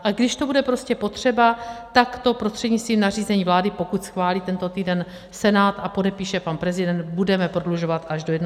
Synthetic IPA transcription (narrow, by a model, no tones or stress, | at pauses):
ʔaɡdɪʃt̪o̞budɛpɾo̞scɛpo̞t̪r̝̥ɛbat̪akt̪o̞pɾo̞st̪r̥ɛdɲɪt͡st̪viːmnar̝iːzɛɲiːvlaːdɪpo̞kut̪sxvaːliːt̪ɛnt̪o̞t̪iːdɛn | sɛnaːt̪apo̞dɛpiːʃɛpanpɾɛzɪdɛnt̪̚budɛmɛpɾo̞dluʒo̞vat̪ʔaʒdo̞jɛdn